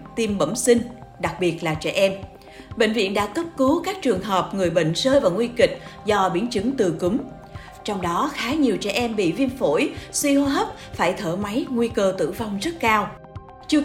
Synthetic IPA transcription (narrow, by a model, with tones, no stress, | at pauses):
t̪i˧mɓə˧˩msï˧ŋ̟ɗa˨˩k̚ɓi˨˩ət̚laː˨˩t͡ɕɛ̰˧˩ʔɛ˧m | ɓḛ˧˨ŋ̟vḭ˧˨ənɗa̰ː˧˥kə˦˥p̚kɨ˨˦kaː˦˥k̚t͡ɕɨ˨˩əŋɦəː˨˩p̚ŋɨ˨˩əjɓḛ˧˨ŋ̟səː˧jvaː˨˩wŋwi˧kï˨˩k̟̚zɔ˧ɓḭ˧˩ənt͡ɕɨ˨˦ŋt̪ɨ˨˩kɨ˨˦m | t͡ɕɔ˧wŋ͡mɗɔ˨˦xaː˨˦ɲi˨˩əwt͡ɕɛ̰˧˩ʔɛ˧mɓḭ˧˨vi˧ənfo̰˧˩jswi˧ɦo˧ɦə˦˥p̚ | faː˧˩jt̪ʰəː˧˩ma˨˦jŋwi˧kəː˧t̪ɨ̰˧˩va˧wŋ͡mzə˦˥t̚kaː˧w | t͡ɕɨ˧